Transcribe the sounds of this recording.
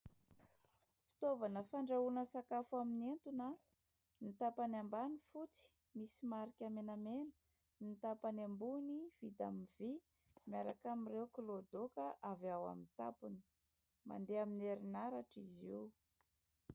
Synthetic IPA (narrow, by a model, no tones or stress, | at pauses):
fi̥t̪ovanəfaɳɖ͡ʐaunəsakafuaminent̪una | nit̪apanambanifut͡si̥ | misimaɾikʲamenamenə̥ | nit̪apanambuniv̥it̪a̰miv̥i | miaɾakamirewkilod̪okəʔavawa̰mint̪a̰puni̥ | ma̰nd̪eamineɾinaɾaʈ͡ʂizi